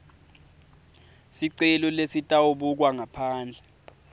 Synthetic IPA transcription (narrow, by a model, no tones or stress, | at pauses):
siǀɛlɔlesitʼauɓuk̬waŋapʰaːnd͡ɮʱɛ